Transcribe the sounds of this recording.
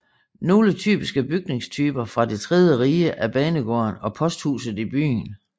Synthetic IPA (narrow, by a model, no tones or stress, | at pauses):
no̝ːlət͡sʰy̰ːb̥isɡ̥əb̥yɡ̥̚ne̝ŋst͡sʰyːb̥ɐfʁɑ̈de̝t͡sʰʁɛð̞ˠjəʁiːəʔæb̥ɛːnəɡ̥ɒ̰ɐnɒ̽pʰɒ̽sd̥hṵːsð̞̩ˠib̥y̰ːn